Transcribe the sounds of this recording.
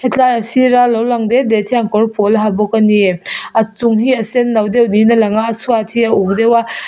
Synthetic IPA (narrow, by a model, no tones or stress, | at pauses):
hetʰlajɐsiɾalawlaŋdedetʰiaŋkɔɾpʰɔlɦabɔkɐnieɐt͡suŋɦiɐsenːawdewninɐlaŋaːsuatʰiɐuk̚dewa